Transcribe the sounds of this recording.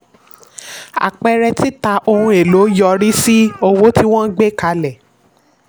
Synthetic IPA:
a̰˨k͡pɛ˧ɾɛ˧ti˦ta˧ʔo˧hũ˧e˨lo˨˦jɔ˧ɾi˦si˦o˧wo˦ti˦w̃ɔ̃˦ɡ͡be˦˨ka˨˧lɛ˨

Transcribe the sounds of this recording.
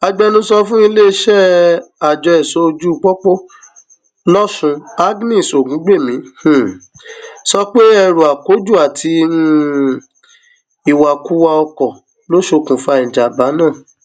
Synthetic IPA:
a˧d͡ʒɛ˧nũ˦sɔ˧fũ˦i˧le˦i˦ʃɛ˦a˨d͡ʒɔ˧ɛ˨so˧˦˧d͡ʒu˦˧˨k͡pɔ˦k͡po˦ | lɔ˦sũ˧a˦ɡnĩ˦˨so˨ɡũ˨˦ɡ͡be˦˨mĩ˨˦h̩˨ | sɔ˧k͡pe˦ɛ˧ɾu˨a˨ko˨˦d͡ʒu˦˨a˨tʰi˧˦ | i˨wa˨ku˦wa˧ɔ˧kɔ˨ | lo˦ʃo˧kũ˨fa˧˨ĩ˨d͡ʒa˨ba˨˦nãː˦˨

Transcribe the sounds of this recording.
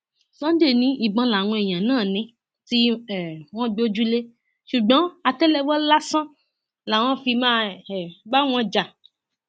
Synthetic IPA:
sɔ̃˦de˦˨nĩ˦i˨ɡ͡bɔ̃˧la˨w̃ɔ̃˧e˨j̃ã˨nãː˦˨nĩ˧ | ti˦ɛ˨w̃ɔ̃˦ɡ͡be˦o˦d͡ʒu˦le˦ | ʃu˨ɡ͡bɔ̃˨˦a˧tɛ˦lɛ˧wɔ˦la˦sã˦ | la˨w̃ɔ̃˦fi˧mãː˦˨ɛ˨ba˦w̃ɔ̃˧d͡ʒa˨

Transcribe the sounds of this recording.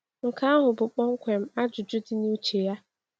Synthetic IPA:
ŋ̩˨ka˨˦a˦ɦʊ˨bʊ˨k͡pɔ˦ŋ̩˦kʷe˨m̩˦a˦d͡ʒʊ˨d͡ʒʊ˦dɪ˦ni˦t͡ʃe˨ja˦

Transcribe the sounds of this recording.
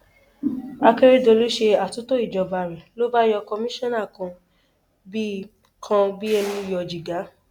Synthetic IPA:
a˧ke˦ɾe˦do˧lo˦ʃe˧a˨tu˨˦to˦i˦˨d͡ʒɔ˨˧˨ba˧˨ɾɛ˨lo˦ba˦jɔ˧kɔ˧mĩ˦ʃɔ̃˦na˦˨kɔ̃˧ | bi˦ | kʰã˧bi˦ɛ˧nĩ˧˨jɔ˨d͡ʒi˨ɡa˨˦

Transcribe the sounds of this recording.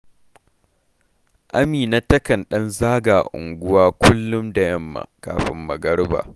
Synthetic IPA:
ʔa˦miː˨na˦tɐ˦kɐ˨nɗɐ˦nzaː˦ɡaː˨ʔʊ̰˨ŋɡʷʊ˦waː˦kʷʊ˦lːʊ˦mda˨jɐ˦mːa̰˨ka̰ː˨ɸɪ˦mːɐ˨ɡɐ˦ɽba̰ː˨

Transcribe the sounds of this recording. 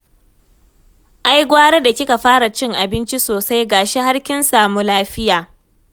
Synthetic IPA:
ʔa˦jɡʷaː˦ɽe˦da˨kʲɪ˦ka˨ɸaː˦ɽa˨t͡ʃɪ˦ŋʔa˨bɪ˦nt͡ʃi˦soː˨sa˦jɡaː˨ʃe˦ha˦ɽkʲɪ˦nsa˨mu˦laː˦ɸɪ˦jaː˨

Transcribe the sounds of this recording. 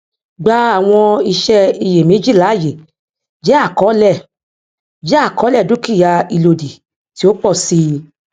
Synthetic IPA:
ɡ͡ba˧a˦˨w̃ɔ̃˧i˧ʃɛ˧i˧je˨mĩ˨˦d͡ʒi˦˨la˨˦˨je˨ | d͡ʒɛ˦a˦˨kɔ˨˦lɛ˦˨ | d͡ʒɛ˦a˦˨kɔ˨˦lɛ˦˨du˦ki˦˨ja˧i˧lo˧di˨ | ti˨˦o˦k͡pɔ˦˨si˧˦

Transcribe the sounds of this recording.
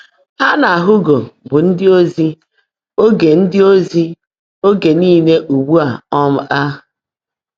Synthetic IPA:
ha˦na˨a˨ɦʊ˦ɡo˨bʊ˨n̩˦dɪ˦o˦zi˦ | o˦ɡe˨n̩˦dɪ˦o˦zi˦ | o˦ɡe˨niː˦˨ne˦ʔu˨wu˦a˨ɔ˦m̩˦ʔa˦

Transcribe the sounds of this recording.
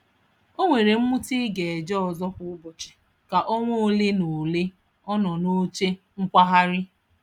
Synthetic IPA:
o˦ŋʷe˨ɾe˨m̩˦mʊ˦ti˦ɡe˨e˨d͡ʒɔ˦ɔ˨zɔ˦ɸʊ˦ʊ˦bʊ˨t͡ʃɪ̥˨ | ka˨ʔɔ˦ŋʷo˦le˦no˨le˦ | ɔ˦nɔ˨no˦t͡ʃe˦ | ŋ̩˦kʷa˦ɦa˦ɾɪ˦

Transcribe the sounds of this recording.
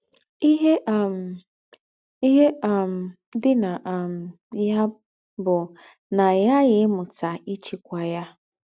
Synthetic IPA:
i˦ɦe˦ʔm̩˨ | i˦ɦe˦a˨m̩˨ | dɪ˦na˨ʔm̩˨ | ja˦ | bʊ˨ | na˨ja˦ɣɪ˨˦mʊ˨ta˨i˦t͡ʃi˨kʷa˨ja˦

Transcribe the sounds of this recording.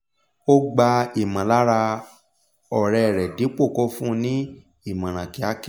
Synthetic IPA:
o˦ɡ͡ba˧i˨mã˨la˨˦ɾa˧ | ɔ˨ɾɛ˧˨ɾɛ˨di˨˦k͡po˦˨kɔ˧fũ˦˧nĩ˦ | i˦˨mã˨ɾ̃ã˨ki˨˦a˨˦ke˦

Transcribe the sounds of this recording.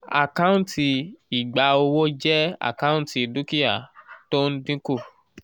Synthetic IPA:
a̰˨kã˦ũ˦ti˧i˨ɡ͡ba˨˧o˧wo˦d͡ʒɛ˦a̰˦˨kã˦ũ˦ti˨du˦ki˦ja˦˨to˦n̩˦dĩ˦ku˦˨

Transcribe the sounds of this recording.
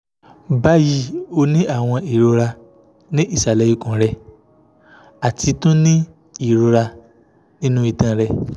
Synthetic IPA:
ba˦ji˦o˧nĩ˦a˦˨w̃ɔ̃˧i˨ɾo˧ɾa˧ | nĩ˦ʔi˦˨sa˨lɛ˨ji˧kũ˨ɾɛ˧ | a˨ti˧tũ˦nĩ˦ | i˦˨ɾo˧ɾa˧ | nĩ˦nũ˦i˨tã˨˧˨ɾɛ˧

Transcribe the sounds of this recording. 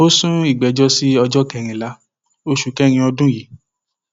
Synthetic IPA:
o˦sũ˦i˦˨ɡ͡bɛ˨˦d͡ʒɔ˦si˦ɔ˧d͡ʒɔ˦kɛ˧˨ɾ̃ĩ˨la˨˦ | o˧ʃu˨kɛ˦˧ɾ̃ĩ˧ɔ˧dũ˦ji˨˦

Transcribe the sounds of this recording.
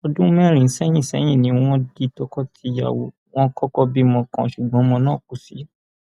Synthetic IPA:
ɔ˧dũ˦mɛ̃˦˨ɾ̃ĩ˨n̩˦sɛ˦j̃ĩ˦˨sɛ̰˨˦j̃ĩ˦˨nĩ˨˦w̃ɔ̃˦di˧tɔ˧˦kɔ˦tʰi˧ja̰˨wo˨ | w̃ɔ̃˦kɔ˦kɔ˦bi˦mɔ̃˧kã̰˨ʃu˨ɡ͡bɔ̃˨˦mɔ̃˧nãː˦˨k̚u˨sḭ˨˦

